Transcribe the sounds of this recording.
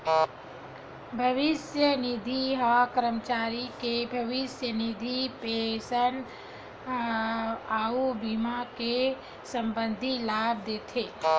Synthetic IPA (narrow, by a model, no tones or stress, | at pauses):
bʱəʋɪʃjənɪd̪ʱiɦakəɾəmət͡ʃaːɾikebʱəʋɪsjənɪd̪ʱipesən | aːubimake | sə̃mbə̃nd̪ʱilaːb̚d̪eːt̪ʰeː